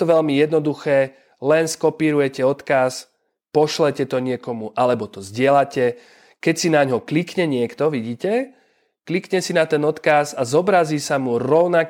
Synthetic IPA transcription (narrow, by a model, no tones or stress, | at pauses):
t̪ɔʋɛʎmijɛd̪nɔd̪uxɛː | lɛnskɔpiːɾujɛcɛɔt̪kas | pɔʃlɛcɛt̪ɔɲɪɛkɔmuʔalɛbɔt̪ɔzɟɪɛlacɛ | kɛcsinaɲɦɔklikɲɛɲɪɛkt̪ɔʋiɟiːcɛ | klikɲɛsinat̪ɛnɔt̪kasazɔbɾaziːsamuɾɔʊnak